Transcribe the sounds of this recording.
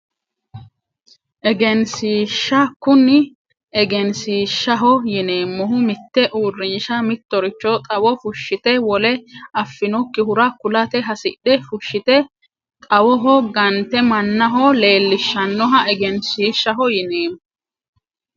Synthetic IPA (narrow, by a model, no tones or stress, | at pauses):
ʔɛɡɛnsiːʃːɐkːʊnːɪ | ɛɡɛnsiːʃːɐɦɔjɪneːmːɔɦʊmɪt̪ːɛʔuːrːɪnʃɐmɪt̪ːɔɾɪt͡ʃːɔt̪ʼɐwɔfʊʃːɪt̪ɛwɔlɛɐfːɪnɔkːɪhʊɾɐkʊlɐt̪ɛɦɐsɪ̰ɗɛfʊʃːɪt̪ɛ | t̪ʼɐwɔɦɔɡɐnt̪ɛmɐnːɐɦɔle̞ːlːɪʃːɐnːɔɦɐʔɛɡɛnsiːʃːɐɦɔjɪneːmɔ